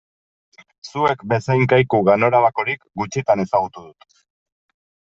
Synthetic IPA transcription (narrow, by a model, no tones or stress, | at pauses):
sue̞kbe̞sajŋkajkuɣano̞ɾaβako̞ɾikɡut͡ʃit̪ane̞saɣut̪uðut̪